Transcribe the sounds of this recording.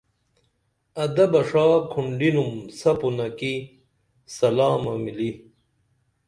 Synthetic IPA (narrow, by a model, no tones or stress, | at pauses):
ɐd̪ɐbɐʂaːkʰuɳɖinumsɐpunɐki | sɐlaːmɐmili